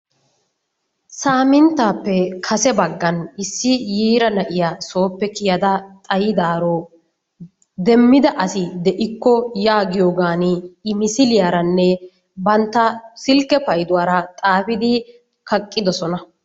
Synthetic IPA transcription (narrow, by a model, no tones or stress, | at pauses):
saːmɪnt̪ːaːpːɛkʰɐsɛbɐɡːɐnɪsːɪjiːɾɐnɐʔɪjaːso̞ːpːɛkɪjɐd̪ɐt̪ʼɐjɪd̪aːɾoː | d̪ɛmːɪd̪ɐʔɐsɪd̪ɛʔɪkːɔjaːɡɪjoːɡaːnɪːmɪsɪlɪjaːɾɐnːɛ | bɐnt̪ːɐsɪlkːɛpɐjd̪ʊwaːɾɐt̪ʼaːfɪd̪ɪ | kɐkʼːɪd̪ɔsɔnɐ